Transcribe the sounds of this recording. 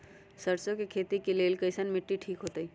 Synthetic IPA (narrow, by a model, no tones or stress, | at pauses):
səɾt͡ʃõkekʰeːt̪ikeleːlkəɪsənmɪʈːiʈʰiːkɦoːt̪əi